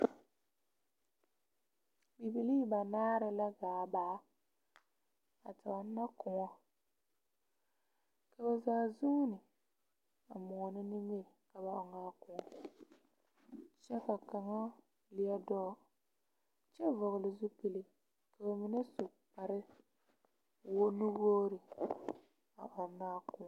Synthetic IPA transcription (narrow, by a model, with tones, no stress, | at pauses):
bi˨bi˨li˦˨ba˨naː˦ɾɪ˦la˦ɡaː˨baː˨˦ | a˨ta˨a˨˦n̩˦na˦kʊ˨ŋɔ˦ | ka˨ba˨zaː˦˨zu˦nɪ˨ | a˨mɔ˨nɪ˦nɪ˦me˦˨ka˨ba˨ɔ˨ŋaː˦kʊ˨ɔ˨ | t͡ʃɛ˦ka˨ka˨ŋɔ˦ | lɪ˨ɛ˦dɔ˦ | t͡ʃɛ˦vɔ˨ɣʊ˨lɪ˨zʊ˦pi˨lɪ˨ | ka˨ba˨mi˦na˦so˨ | pa˨ɾɪ˦ | wo˦nʊ˦ɣoː˦ɾɪ˨ | a̰˨ʔɔ˨˦na˦kʊ˨˦